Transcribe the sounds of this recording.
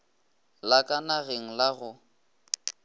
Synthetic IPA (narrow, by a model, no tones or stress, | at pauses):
lakʼanaɣeŋ̩laɣʊ